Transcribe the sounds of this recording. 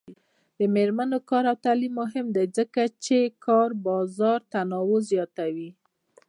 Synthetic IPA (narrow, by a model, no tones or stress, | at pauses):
d̪əmeɾmanokɑɾawt̪alimːʊɦɪmd̪ajzəkat͡ʃekʰɑɾbɑzɑɾt̪anɑwozjɑt̪awi